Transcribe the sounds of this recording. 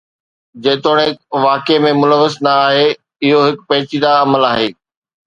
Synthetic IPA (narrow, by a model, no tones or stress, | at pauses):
d͡ʑẽːt̪oːɽ̃eʋaːkemẽmʊləʋːəsnɐaːɦe | ɪɦoɦɪkpɐɦɪt͡ɕid̪aɐməlaːɦeː